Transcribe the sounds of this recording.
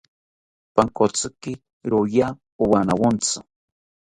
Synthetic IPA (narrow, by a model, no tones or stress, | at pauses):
paŋkot͡sɨkɪ | ɾoja | owanawont͡sɨ